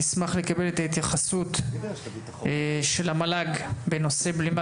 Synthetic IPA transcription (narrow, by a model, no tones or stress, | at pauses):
ismaχle̞kabe̞le̞t̪ahit̪jaχasut̪ | ʃe̞lhamalaɡbe̞no̞se̞blima